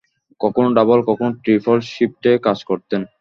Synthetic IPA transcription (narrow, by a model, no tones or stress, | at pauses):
kɔkʰonɖabolkɔkʰonʈɾipʰoɾʃip̚ʈekad͡ʑkoɾt̪en